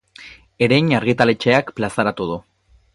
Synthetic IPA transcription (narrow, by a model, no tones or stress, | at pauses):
e̞ɾejɲaɾɣit̪ale̞t͡ʃe̞akplasaɾat̪uð̞u